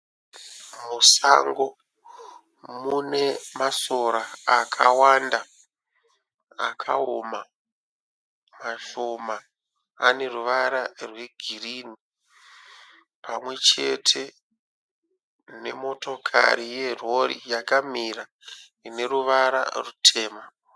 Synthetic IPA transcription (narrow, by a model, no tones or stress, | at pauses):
musa̰ŋɡo̞ | mune̞maso̞ɾaːkʰawanda | a̰kʰa̰oma | maʃo̞maː | ne̞ruʋaɾarwe̞ɡʱiriːni | pʰamwe̞t͡ʃe̞̰tʰe̞ | ne̞mo̞to̞kʰa̰ɾije̞ro̞rḭjakamiɾa | ine̞ɾuʋaɾa̰rutʰe̞ːma